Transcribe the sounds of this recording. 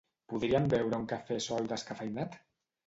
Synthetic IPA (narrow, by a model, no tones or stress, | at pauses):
puðɾiambɛwɾəuŋkafesɔjd̪əskafajnat̪